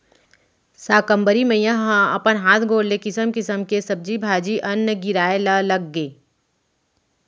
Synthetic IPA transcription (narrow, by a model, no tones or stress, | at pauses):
saːkə̃mbəɾimẽjãɦɦãɐpənɦaːt̪ʰɡʱoːɽlekɪsəmkɪsəmkesɐb̚d͡ʒibʱaːd͡ʒiʔɐnːəɡɪɾaːelalɐɡːeː